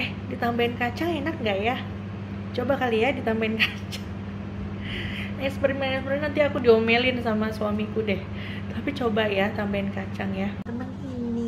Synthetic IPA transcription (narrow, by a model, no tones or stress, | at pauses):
ɛh | dit̪ambaɪnkat͡ʃaŋenakŋɡaʔja | t͡ʃobakalijadit̪ambaɪnkḁ | t͡ʃḁŋ | ɛspəɾimɛnɛspəɾimnant̪iakudiomelɪnsamasuamikudɛh | t̪apit͡ʃobajat̪ambaɪnkat͡ʃaŋjat̪ənəŋini